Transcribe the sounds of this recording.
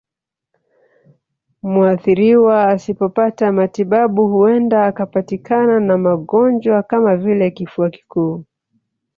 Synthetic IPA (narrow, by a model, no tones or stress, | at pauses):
muaθiɾiwaːsipɔpatamatiɓaɓuhuɛndaːkapatikananamaɠɔnd͡ʒwakamavilɛkifuaki̥kuː